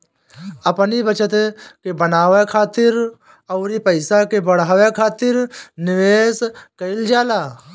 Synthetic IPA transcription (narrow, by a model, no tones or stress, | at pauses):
ɐpnibət͡ʃət̪kebənaːwekʰaːt̪ɪɾ | ɔːɾipəɪsakebɐɽ̤aːwekʰaːt̪ɪɾnɪweːskɐɪld͡ʒaːlaː